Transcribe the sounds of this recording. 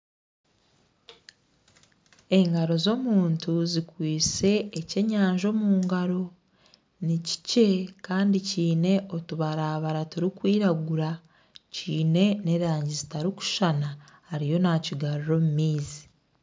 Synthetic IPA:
e̞ŋɡaɾo̞zo̞ːmuːntuzikwiːt͡se̞ːce̞ɲaːɲʒo̞ːmuːŋɡaɾo̞ | nici̥ce̞kaːndiciːne̞ʔo̞tuβaɾaːβaɾatuɾikwiːɾaɡuɾa | ciːne̞ne̞ɾaːɲɟizitaɾiku̥ʃanahaɾijo̞naːciɡaɾuɾo̞mumiːzi̥

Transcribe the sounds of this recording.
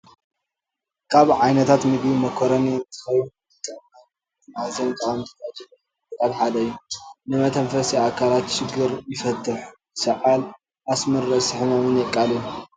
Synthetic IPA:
kʰaβʕajnɐt̪ʰat̪mɨɡbimɐkʰoɾɐnint̪ʰɨ̥xɐju | t̪ʰʼɐa | t̪ʰɨmahazɐnt̪ʼɐwamt̪ʰɨ̥ad͡ʒilɐ | ɐt̪ʼat̪ħad̪ɐjːunɨmɐt̪ʰɐɱfɐsiakʰalat̪ʃɪɡːɨɾjɪfɐt̪ʰʼːɨħu | sɐʕal | ʔasmɐɾɨsɨħɨmɐmɨnjɛkʼːaliju

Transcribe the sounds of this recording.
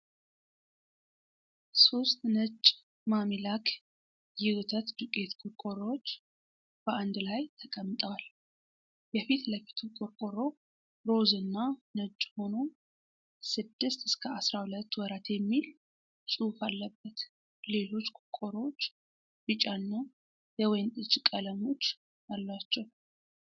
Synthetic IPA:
so̞st̪ʼnɨt͡ʃʼː | mamilakʰ | jɪwt̪ʰət̪d̪ukʼe̞t̪kʼʊɾkʼoɾot͡ʃː | b̥əʔand̪lajt̪ʰəkʼəmːɨt̪ʼal | jɛfit̪ləfi̥t̪ʰukʼoɾkʼoɾo̞ | ɾo̞zɨnːanət͡ʃʼːho̞no̞ | sɨd̪ːɨst̪ɨskʰəasɾahulət̪ːwɔɾat̪jɛmːil | sʼufalːəbːət̪ | le̞lo̞t͡ʃːkʼʊkʼoɾot͡ʃː | bɨt͡ʃʼanːa | jɛwɔjnɨt͡ʃʼːkʼələmo̞t͡ʃː | alːat͡ʃːɛw

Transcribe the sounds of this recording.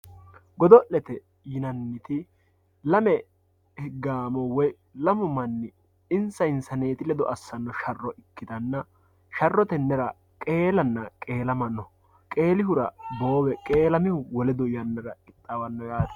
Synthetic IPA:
ɡɔd̪ɔʔɛt̪ɛ | jɪnɐnːɪt̪ɪ | lɐmɛ | hɡaːmɔwɔj | lɐmʊmɐnːɪ | ɪnsɐɪnsɐne̞ːt̪ɪlɛd̪ɔʔɐsːɐnːɔʃɐrːɔʔɪkːɪd̪ɐnːɐ | ʃɐrːɔt̪ɛnːɛɾɐ | kʼe̞ːlɐnːɐkʼe̞ːlɐmɐnːɔ | kʼe̞ːlɪhʊɾɐbo̞ːwɛkʼe̞ːlɐmɪhʊwɔlɛd̪ɔɪjɐnːɐɾɐɪt̪ʼːɐwɐnːɔjaːd̪ɐ̥

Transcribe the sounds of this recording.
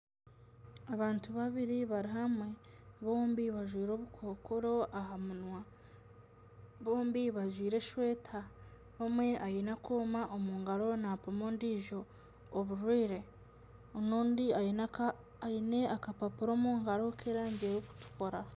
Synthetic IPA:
aβaːntuβaβiɾiβaɾiɦamwe̞βo̞ːmbiβaʒwiːɾo̞ːβukʰo̞ːkoɾo̞aɦamunwa | βo̞ːmbiβaʒwiːɾe̞ʃwe̞ːtʰa | βomwe̞ʔajinakoːmaʔomuːŋɡaɾo̞napomoːndiʒo̞ː | βuʒwiːɾe̞ | onoːndia | ine̞ʔakapapuɾo̞ːmuːŋɡaɾo̞kʰeːɾaːɲɟejoku̥tu̥ko̞ɾa

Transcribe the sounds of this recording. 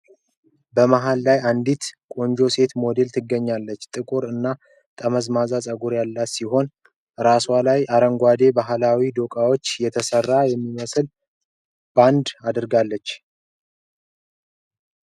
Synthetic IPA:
bəmaɦalːajand̪it̪kʼo̞nd͡ʒo̞se̞t̪mo̞d̪e̞lt̪ʰɨɡːəɲːalːət͡ʃːt̪ʼɨkʼuɾɨnːa | t̪ʼəməzmazasʼəɡuɾjalːat̪siɦo̞n | ɾaswalajʔaɾəŋɡʷad̪e̞baɦlawid̪o̞kʼawo̞t͡ʃːjɛt̪ʰəsərːajɛmːiməsɨl | b̥and̪ad̪ɨɾɡalːət͡ʃː

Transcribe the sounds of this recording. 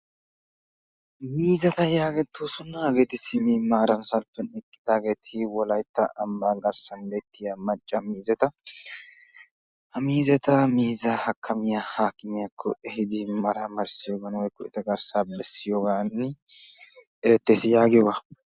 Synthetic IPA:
miːzɐt̪ɐjaːɡɛt̪ːosʊnːaːɡe̞ːt̪ɪsɪmiːmaːɾɐnsɐlpːɛnɛkʼːɪd̪̥aːɡe̞ːt̪ʰɪwɔlɐjt̪ːɐ̰ʔɐmbaːɡɐɾsɐnbeːt̪ːɪjɐmɐt͡ʃʼːɐmiːzɛt̪ɐ | hɐmiːzɛt̪ɐmiːzɐhɐkʰːɐmɪjahaːkʼːɪmɪjakʰːɔ̰ʔɛɦɪd̪ɪmɐɾɐmɐɾsɪjoːɡɐnwɔjkːɔʔɪt̪ɐɡɐɾsabɛsːɪjoːɡaːnːɪ | ʔɛɾɛt̪ːe̞ːsɪjaːɡɪjɔːɡa

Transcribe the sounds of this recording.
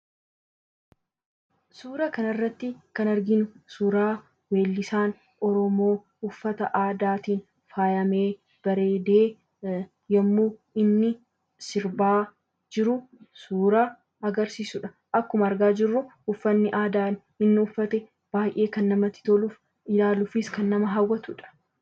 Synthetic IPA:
suːɾɐkɐnɐrːɐt̪ːɪkɐnɐɾɡɪnʊsuːɾaː | we̞ːlːɪsaːn | ʔɔɾɔmo̞ː | ʊfːɐt̪ɐʔaːd̪aːt̪iːn | faːjɐme̞ː | b̥ɐɾe̞ːd̪eː | jɐmːuːɪnːɪ | sɪɾbaː | d͡ʒɪɾʊ | suːɾa | ɐɡɐɾsiːsʊᶑɐ̥ | ʔɐkːʊmɐɐɾɡaːd͡ʒɪrːʊʊfːɐnːɪʔaːd̪aːn | ɪnːɪʊfːɐt̪ɛ | b̥aːjʔe̞ːkɐnːɐmɐt̪ːɪ̥t̪oluf | ɪlaːlufɪskɐnːɐmɐɦɐwːɐt̪ʊᶑɐ̥

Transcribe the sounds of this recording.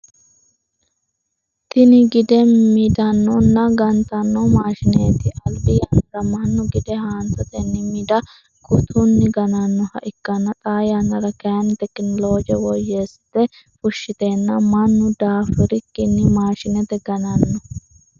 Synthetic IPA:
t̪ɪnɪɡɪd̪ɛmid̪ɐnːɔnːɐɡɐnt̪ɐnːɔmaːʃɪneːt̪ɪʔɐlbɪjaːnɐɾɐmɐnːʊɡɪd̪ɛhaːnt̪ɐt̪ʼenːɪmɪd̪ɐ | kʊt̪ʰunːɪɡɐnɐnːɔhɐ̰ʔɪkːɐnːɐt̪ʼaːjaːnɐɾɐkɛɐnt̪ɛkːɪnloːd͡ʒɛwɔjːeːst̪ːɛ | fʊʃːɪt̪eːnːɐmɐnːʊd̪aːfɪɾɪkːɪnːɪmaːʃɪnɛt̪ɛɡɐnɐnːɔ

